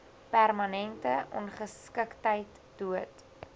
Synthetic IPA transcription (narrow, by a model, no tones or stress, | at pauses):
pærmɐnɛntəʔɔ̰nχəskəktəjt | d̥uət